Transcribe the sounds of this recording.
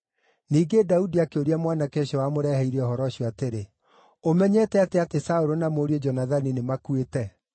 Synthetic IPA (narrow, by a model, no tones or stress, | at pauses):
niːɡedaudiakeoɾiamwanakeɕɔwamoɾɛhɛiɾɛɔɦɔɾɔɕɔateɾe | omɛɲɛtɛateatesaoɾonamoːɾied͡ʒɔnaðaninemakuetɛ